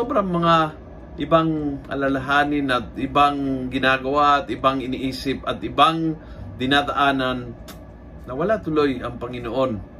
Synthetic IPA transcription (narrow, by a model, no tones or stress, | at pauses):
sobɾaŋmɐŋa | ʔɪbaŋkɐ̰lalaɦaːnɪnat̪̚ɪbaŋɡɪnaːɡɐwaʔat̪ɪbaŋɪniʔiːsɪp̚ɐt̪ɪbaŋd̪ɪnad̪aʔaːnanː | ɐwɐlat̪ʊlojɐŋpɐŋɪnoʔo̞n